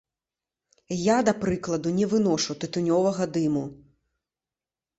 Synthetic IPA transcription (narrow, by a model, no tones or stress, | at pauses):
jad̪ɐpɾɨklˠɐd̪unʲɛvɨnɔʂut̪ɨt̪unʲɔvɐɣɐd̪ɨmu